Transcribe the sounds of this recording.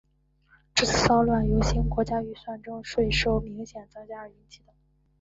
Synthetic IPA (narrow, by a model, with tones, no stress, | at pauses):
ʈ͡ʂɤ˥˩t͡sʰɹ̩˨˩sɑ˥ʊlwa˥˩njo˧˥ʊɕi˥nkwɔ˧˥t͡ɕja˥y˥˩swa˥˩nʈ͡ʂʊ˥ŋʂwe˥˩ɪʂo˥ʊmi˧˥ŋɕjɛ˨˩nt͡sɤ˥ŋt͡ɕja˥˨y˧˥nt͡ɕʰi˥˩d̪ə˨˩˦